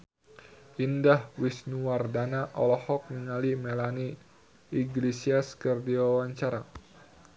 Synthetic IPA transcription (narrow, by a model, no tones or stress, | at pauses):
ʔindahwisnuwardanaʔɔlɔhɔk̚niŋalimelani | iɡlesiaskərdiwawaɲt͡ʃaɾa